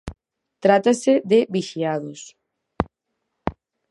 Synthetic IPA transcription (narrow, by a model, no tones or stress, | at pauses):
t̪ɾat̪aseðɪβiʃiaðʊs